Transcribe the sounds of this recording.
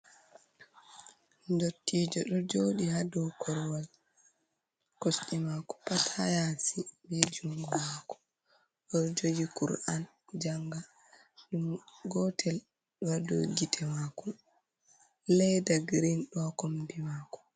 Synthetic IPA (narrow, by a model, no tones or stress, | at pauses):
dotːid͡ʒɔɗɔd͡ʒoːɗihadɔkʰɔɾwal | kosɗimakɔ̥patʰajasibɛd͡ʒuŋɡɔmaːkɔ̥ | ɔd͡ʒoɡikṵɾan | d͡ʒaŋɡa | ɗumɡɔtʰɛl | ɗwado̰ɡitʰɛmakɔ | lɛjdaɡɾinɗɔakombimakɔ̥